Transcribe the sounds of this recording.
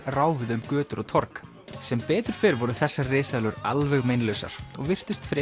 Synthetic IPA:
raːwvɪðʏmkœːt̪ʏɾʔɔɣt̪ʰɔɾk | sɛmpɛːt̪ʏɾ̥fɪɾvɔɾʏθɛsːarɪːsalʏɾalvɛɣmejnlœwsa̰ɾ̥ɔɣvɪr̥t̪ʏst̪fɾɪ

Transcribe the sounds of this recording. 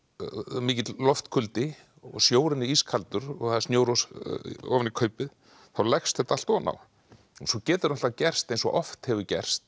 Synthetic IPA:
miːcɪt̪lɔft̪kʰʏlt̪ɪ | ɔ̰sjoːwɾɪnːɪiskʰalt̪ʏɾɔɣθaðsnjowɾɔsɔ̰ːvɪnikʰœɥpɪð | θawlɛxst̪θɛht̪aal̥t̪ɔːna̰w | sɔcɛːt̪ɪɾʏnɔ̥acɛr̥st̪ejnsɔ̰ʔɔft̪hɛvʏcɛ̰r̥st̪̚

